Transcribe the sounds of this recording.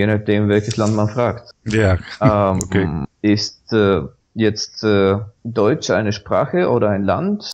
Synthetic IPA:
jeːnaχtd̥eːmvɛlçəslantmanfʁ̥aːktjaɛoeɪstɛ | jɛt͡stɛːdɔʏt͡ʃʔa̰ɪnəʃpʁ̥a̰ːxəʔoːɾɐaɪnla̰nt

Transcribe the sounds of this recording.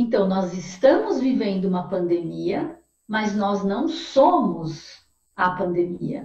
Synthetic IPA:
ẽnt̪ɐ̃w̃nɔzɪst̪ɐ̃mʊzvivẽnd̪ʊũmɐpɐ̃nd̪emiɐ | mɐznɔznɐ̃w̃sõmʊz | ɐpɐ̃nd̪emiɐ̰

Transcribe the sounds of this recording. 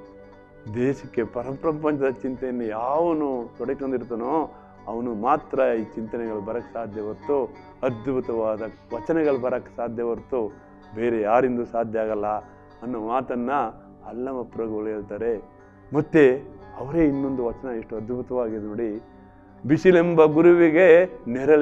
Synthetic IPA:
d̪eːʃɐkːe̞pɐɾɐmpɾɐmpɐnt͡ʃɐd̪ɐt͡ʃint̪ɐjɐnːujaːʋɐnut̪ɔɽekond̪iɾt̪ɐnoː | ɐʋɐnumaːt̪ɾɐiːt͡ʃint̪ɐnɛɡɐɭubɐɾɐkːsaːd̪ʱjɐʋɐɾt̪u | ɐd̪bʱut̪ɐʋaːd̪ɐ | ʋɐt͡ʃɐnɛɡɐɭubɐɾɐkːe̥saːd̪ʱjɐʋɐɾt̪u | be̞ːɾejaːɾind̪usaːd̪ʱjɐaːɡɐlːɐ | ɐnːomaːt̪ɐnːɐ | ɐlːɐmɐpɾɐɡoɭjelt̪aːɾe̞ | mɐt̪ːeɐʋɐɾe̞ːinːo̞nd̪uʋɐt͡ʃɐnɐeʂʈuɐd̪bʱut̪ɐʋaːɡid̪noːɽi | biʂilembɐɡuɾuʋiɡe̞nɛɾɐ

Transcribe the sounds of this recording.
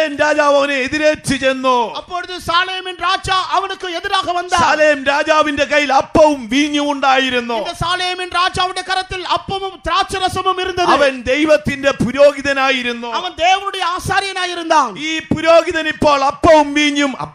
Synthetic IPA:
ɐmɾaːd͡ʑaːʋɐʋɐneeðiɾeːtːɨt͡ɕenːuɐpːo̞ːɽuðɨsaːlejɐminraːd͡ʑaːʔɐʋɐnukːɨeðiɾaːɡɐmɐnd̪aːsaːlejɐmɾaːd͡ʑaːʋinde̞kɐjilɐpːɐʋumʋiːɲːumuɳɖaːjiɾuːuðɐsaːlejɐminraːd͡ʑaːʋɐɳɽekɐɾɐt̪ːilɐpːɐmumt̪ɾaːt͡ɕːɐɾɐsɐmumiɾund̪ːɐðɐʋɐnd̪e̞jʋɐt̪ːinde̞puɾoːɡiðɐnaːjiɾunːuɐʋɐnd̪ejʋɐnuɽejɐaːsaːɾjɐnaːjiɾund̪aːiːpuɾoːɡiðɐnipːo̞ːɭɐpːɐʋumʋiːɲjum̰

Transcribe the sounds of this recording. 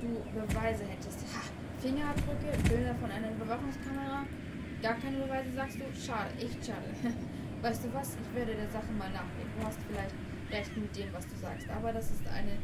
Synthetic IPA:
d̥uːbəvaɪzəhɛtəstha | fɪŋɐb̥ʁʏkəbʏlnɐfɔnʔaɪnɐyːbɐvaχʊŋskʰaməʁaː | ɡ̥aːɐkʰaɪnəbəvaɪzəzaːkst̚d̥uːʃaːɾə̰ʔɛçtʃa̰ːdə̰ | vaɪstd̥uːvasɪçv̥eːɐɾədeːɐzaχəmaːlnaːχɡ̥ḛːɡn̩duːhastfɪlaɪçt | ʁɛçtmɪt̚d̥eːmvasd̥uːza̰ːkstʔa̰ːbɐdasɪstʔa̰ɪnə

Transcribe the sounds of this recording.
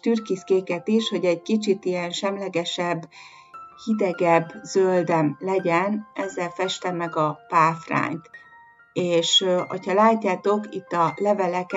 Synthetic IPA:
t̪yrkiskeːkɛt̪iʃho̞ɟɛɟkit͡ʃit̪ijɛnʃɛmlɛɡɛʃɛbː | hid̪ɛɡɛbːz̥øld̪ɛmlɛɟɛnɛzːɛlfɛʃt̪ɛmːɛɡɒpaːfra̰ːɲt̪ | eːʃho̰chɒlaːcːaːt̪o̞kit̪ːɒlɛvɛlɛk

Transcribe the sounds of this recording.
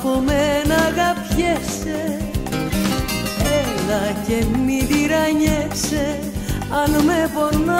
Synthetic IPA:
pomenɐɣɐpçes | e | ellɐcemiðiɾɐɲese | ɐnmepona

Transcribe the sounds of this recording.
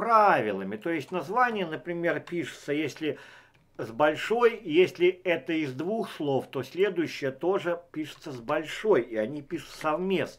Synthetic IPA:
pɾavʲɪlˠəmʲɪt̪o̞jɪsʲtʲnɐzvanʲɪjənəpɾʲɪmʲe̞rpʲiʂɨ̥t̪səjesʲlʲɪ | zbɐlʲʂo̞jjesʲlʲɪɛt̪əɪzd̪vuxslˠo̞ft̪o̞sʲlʲe̞d̪ʊjʉɕːɪjət̪o̞ʐɨpʲiʂɨ̥t̪səzbɐlʲʂojiɐnʲipʲiʂʊ̥t̪sɐvmʲesn

